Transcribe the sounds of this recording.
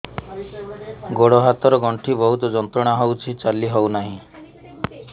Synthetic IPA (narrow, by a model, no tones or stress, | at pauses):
ɡoɽɔɦat̪ɔɾɔɡɔɳʈʰibɔɦut̪ɔd͡ʒɔnt̪ɾɔɽ̃aɦowt͡ʃʰit͡ʃaliɦownaɦĩ